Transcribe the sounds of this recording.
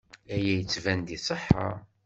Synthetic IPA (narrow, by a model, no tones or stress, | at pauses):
æjæjət͡sːvænd̪isˤəħːɑ̰